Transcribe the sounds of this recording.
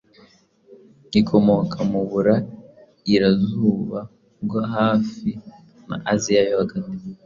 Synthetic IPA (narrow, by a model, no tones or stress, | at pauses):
ikʰo̞mo̞kʰamuβuɾa | iɾazuːβa | ɡaɦaːfi | na̰ʔazijajoaɡani